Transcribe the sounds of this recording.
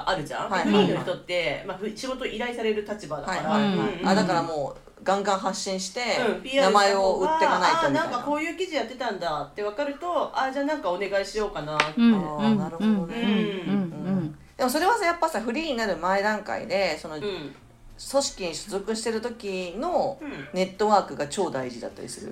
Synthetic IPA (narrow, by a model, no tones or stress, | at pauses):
ʔaɾɯ̟ʑã̰haiɸɯ̟ɾʲiːnoçit̪ot̪ːe̞maɸɯɕiɡo̞t̪oʔiɾaisaɾe̞ɾɯ̟t̪at͡ɕibad̪aaiaɾaa̰d̪akaɾamo̞ː | ɡãŋɡãɰ̃ɦaɕːĩɰ̃ɕi̥t̪e̞ɯ̃ianamae̞o̞ɯtːe̞kanait̪anãŋkako̞ːjɯ̟ːkʲiʑijat̪ːe̞t̪ãnd̪at̪ːe̞β̞akaɾɯ̟t̪o̞aːd͡ʑaːnãŋkaone̞ɡaiɕijo̞ːkana | naɾɯ̟hod̪one | ɯ̟̃ːd̪̥e̞mo̞s̬o̞ɾe̞βasajapːasaɸɯ̟ɾʲiːɲ̟inaɾɯ̟maed̪ãŋka̰ḭd̪e̞so̞no̞ | so̞ɕi̥kʲiɲ̟iɕozɨkɯ̟ɕi̥t̪e̞ɾɯ̟t̪o̞kʲino̞ne̞t̪ːo̞βaːkɯ̟ɡat͡ɕo̞ːd̪aiʑid̪a̰t̪ːa̰ɾʲḭsɨɾɯ̟̰